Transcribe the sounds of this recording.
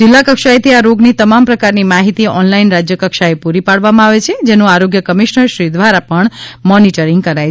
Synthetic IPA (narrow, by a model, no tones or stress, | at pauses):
d͡ʒɪlːakəkʃajt̪ʰiaɾoɡnit̪əmampɾəkaɾnimaɦit̪iɔnlainɾad͡ʒjəkəkʃaepuɾipaɽʋamãaʋet͡ʃʰed͡ʒenũaɾoɡjəkəmiʃnəɾʃɾid̪ʋaɾapəɳmɔniʈəɾiŋɡ̚kəɾaj